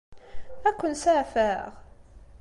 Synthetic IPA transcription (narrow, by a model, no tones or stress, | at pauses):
ækʷːənsaʕfæʁ